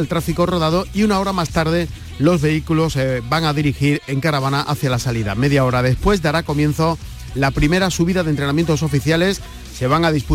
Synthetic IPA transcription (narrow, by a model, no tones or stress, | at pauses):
lt̪ɾafiko̞ro̞ðaðo̞iunao̞ɾamast̪aɾðe̞ | lo̞zβe̞ikulo̞sbaŋaðiɾixiɾe̞ŋkaɾaβ̞anaʔaθjalasaliða̰me̞ðjao̞ɾaðe̞spwe̞zðaɾako̞mjẽ̞n̟θo̞ | lapɾime̞ɾasuβ̞iðaðent̪ɾenamje̞nt̪o̞so̞fiθjale̞sː | e̞β̞aŋaðispu